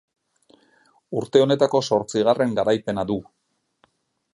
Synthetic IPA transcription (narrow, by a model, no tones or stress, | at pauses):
uɾt̪e̞o̞ne̞t̪ako̞so̞ɾt͡siɣ̞are̞ŋɡaɾajpe̞naðu